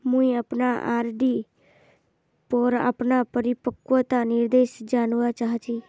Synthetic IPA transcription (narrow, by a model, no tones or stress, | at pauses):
mʊ̃ĩəpnaːʔa̰ːɾɖiː | pɔːɾa̰pnaːpəɾɪpəkʋat̪anɪɾd̪eːʃd͡ʒaːnʋat͡ʃaːɦat͡ʃiː